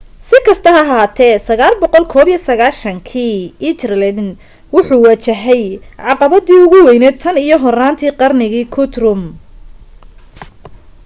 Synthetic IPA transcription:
sɪkʰɐst̪ʰɐɦɐɦaːt̪ʰɛːsɐɣaːlbɔqɔlkʰɔːβjisɐɣaːʃɐŋkʰiːit̪ʰrlɐn | wʊħuːwaːt͡ʃɐɦɛjʕɑqɑβɐðiːʊɣʊwɛjnɛːt̪ʰɐnijɔɦɔraːnt̪ʰiːqɑrnɪɣiːkʰʊt̪rʊm

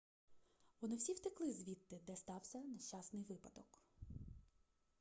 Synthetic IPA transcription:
ʋɔnɪwsʲiwt̪ɪklˠɪzʲʋʲit̪ːɪd̪ɛst̪ɑwsʲɐnɐʃt͡ʃɑsnɪjʋɪpɐd̪ɔk

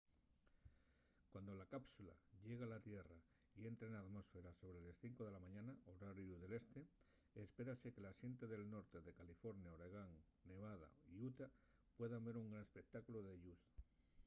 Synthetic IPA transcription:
kwand̪o̞lakapsula̰ʎe̞ɣ̞alat̪je̞ra | ie̞nt̪ɾenaðmo̞sfe̞ɾaso̞β̞ɾe̞lesθiŋko̞ð̞e̞lamãɲãnaoɾaɾjuð̞e̞le̞st̪e̞ | espe̞ɾase̞ke̞lasje̞nt̪eðe̞lno̞ɾt̪e̞ðe̞kalifo̞ɾnjaoɾeɣ̞aŋ | ne̞β̞að̞a̰iut̪a | pwe̞ðambe̞ɾuŋɡɾanespek̚t̪akuloð̞eʎuθ

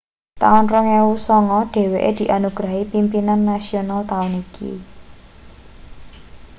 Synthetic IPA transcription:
t̪aʊnrɔŋewusɔŋɔɖ̥e̤weʔḛd̪̥i̤ʔanuɡ̥ɾa̤ɦipimpinanːasionalt̪aʊnikḭ

